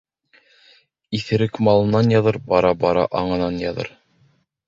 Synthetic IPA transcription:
iθɘ̆ɾɘkmɑlˠɤ̆nɑnjɑðɤɾbɑɾɑbɑɾɑ̰ʔɑɴɤ̆nɑnjɑðɤ̰ɾ

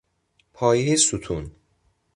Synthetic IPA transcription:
pʰɒːjiɦesut̪ʰun

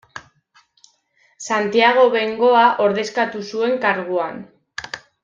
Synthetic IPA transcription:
sant̪iaɣ̞o̞βe̞ŋɡo̞aʔo̞ɾðe̞skat̪usue̞ŋkaɾɣuan

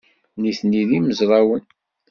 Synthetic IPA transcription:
niθniðiməzɾˤɑwən

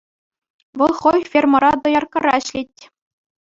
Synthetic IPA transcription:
ʋɤ̆lˠχojfʲermɤ̆ɾɑd̪ɤ̆jɑrkɤ̆ɾɑɕlʲetʲː

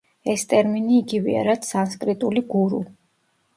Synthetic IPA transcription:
ɛst̪ʼɛɾminiːɡivɛ̰a̰ɾat̪sanskʼɾit̪ʼuliɡuɾṵ

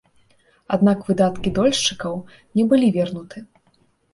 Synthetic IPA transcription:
ad̪̚nakvɨd̪at̪kʲid̪ɔlʲʂt͡ʂɨkɐw | nʲɛbɨlʲivʲɛrnut̪ɨ

